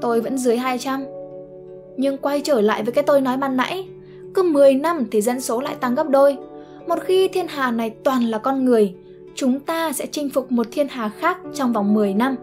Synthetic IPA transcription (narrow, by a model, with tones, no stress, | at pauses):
t̪o˧jvə̰˧˥nzɨ˨˦əjɦaː˧jt͡ɕa˧m | ɲɨ˧ŋkwa˧jt͡ɕəː˧˩la̰ː˧˨jvəː˨˦ka˨˦jt̪o˧jnɔ˨˦jma˧˨nːa̰˧˥j | kɨ˨˦mɨ˨˩əjna˧mt̪ʰi˨˩zə̰˧˥nso˨˦la̰ː˧˨jt̪a˧ŋɣə˦˥p̚ɗo˧j | mo˨˩t̚xi˧t̪ʰi˧ənɦaː˨˩na˨˩jt̪waː˨˩nlaː˨˩kɔ˧nŋɨ˨˩əj | t͡ɕʊ˨˦ŋ͡mt̪aː˧sɛ̰˧˥t͡ɕï˧ŋ̟fʊ˨˩k͡p̚mo˨˩t̚t̪ʰi˧ənhaː˨˩xaː˦˥k̚t͡ɕɔ˧wŋ͡mva˨˩wŋ͡mmɨ˨˩əjna˧m